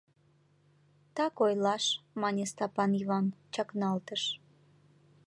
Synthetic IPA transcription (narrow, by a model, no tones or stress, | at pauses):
t̪ɑkojlɑʃmɑnʲest̪ɑpɑnivɑnt͡ɕɑknɑlt̪əʃ